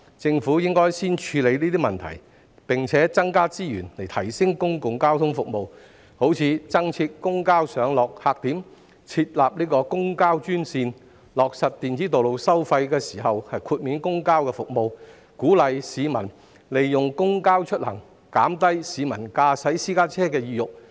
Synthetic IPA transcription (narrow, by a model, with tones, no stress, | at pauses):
t͡sɪ˧ŋfuː˨˥jɪ˥ŋkɔː˥jsiː˥nt͡ʃʰyː˨˧le˨˧jniː˥t̪iː˥mɐ˨nt̪ʰɐ̰˨˩j | pɪ˨ŋt͡sʰɛː˨˥t͡sɐ˥ŋkaː˥t͡siː˥jyː˨˩nle˨˩jt̪ʰɐ˨˩jsɪ˥ŋkʊ˥ŋkʊ˨ŋkaː˥wt̪ʰʊ˥ŋfʊ˨k̚mo˨˧w | ho˨˥wt͡sʰiː˨˧t͡sɐ˥ŋt͡sʰiː˧t̚kʊ˥ŋkaː˥wsœː˨˧ŋlɔː˨k̚haː˨˧k̚t̪iː˨˥m | t͡sʰiː˧t̚laː˨p̚niː˥kɔː˧kʊ˥ŋkaː˥wt͡ʃyː˥nsiː˧n | lɔː˨k̚sɐ˨t̚t̪iː˨nt͡siː˨˥t̪o˨wlo˨wsɐ˥wfɐ˧jkɛː˧siː˨˩ɦɐ˨whɐ˨jkʰuː˧t̚miː˨˥nkʊ˥ŋkaː˥wkɛː˧fʊ˨k̚mo˨w | kuː˨˥lɐ˨˧jsiː˨˧mɐ˨˩n | le˨jːʊ˨ŋkʊ˥ŋkaː˥wt͡ʃʰɵ˥t̚lɐ˨˩ŋ | kaː˨˥mt̪ɐ˥jsiː˨˧mɐ˨˩nkaː˧sɐ˨˥jsiː˥kaː˥t͡sʰɛː˥kɛː˧jiː˧jʊ˨k̚